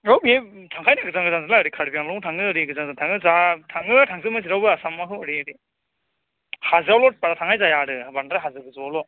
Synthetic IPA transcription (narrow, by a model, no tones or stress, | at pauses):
ɾɔbe | tʰaŋkʰajnaɡɯzaŋɡɯzaŋzalaɾikʰaɾbijaŋlɔŋtʰaŋɯːɾiɡɯzaŋzantʰaŋɯzatʰaŋɯtʰaŋzɯmas̬iɾawbɯasamːaɦɯwaɾiɾi | hazɯawlɔt̚paɾatʰaŋʰajzajaɾɯbandɾaɦazɯɡɯzawlɔ